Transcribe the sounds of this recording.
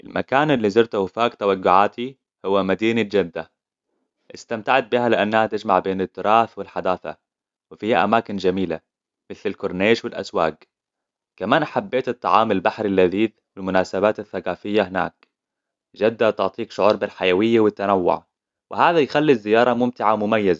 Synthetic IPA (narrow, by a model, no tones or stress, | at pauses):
ʔɪ̰lmʔa̰kaːnɪlːiːzɑɾˤt̪awɪfaːkt̪awaɡːʊʕaːt̪ʰi | hʊwːamad̪iːnad͡ʒad̪ːa | ʔɪst̪amt̪aʕat̪̚bɪhalɪʔanːahat̪ɪd͡ʒmaʕbeːnɪt̪ːʊɾˤɑːθwɪlħad̪aːθa̰ | wɪfiːhaʔa̰maːkɪnd͡ʒamiːla̰ | mɪθlalkʊɾˤneːʃwɪlʔa̰swa̰ːɡ | kamaːnʔaħabːeːt̪ɨt̪ˤːɑʕɑːmalbaħɾilːaðiːð | wɪlmʊnaːsabaːt̪aθːaqaːfɪjːahɪna̰ːk̚ | d͡ʒad̪ːat̪ʊʕt̪ˤiːkʃʊʕuːɾˤbɪlħajawɪjːawɪt̪ːanawːʊ̰ʕ | wʔɪhaːðajxalːizːɪjːɑːɾˤɑmʊmt̪ɪʕamʊmajːaza